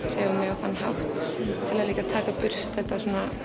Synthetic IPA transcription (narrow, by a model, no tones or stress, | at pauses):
ɾ̥ɛːvamɛɣawθanːɦa̰wht̪t̪ʰɪlɛðliːkat̪ʰaːkapʏr̥t̪θɛht̪asuːna